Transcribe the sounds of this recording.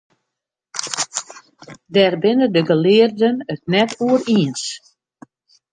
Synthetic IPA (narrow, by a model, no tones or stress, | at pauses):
dɛrbɪnədəɡəlɪːərdənət̚nɛtuəriəns